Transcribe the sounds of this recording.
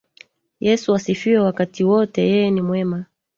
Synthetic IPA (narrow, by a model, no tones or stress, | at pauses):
jɛsuasifiwɛwakatiwɔtɛjɛjɛnimwɛma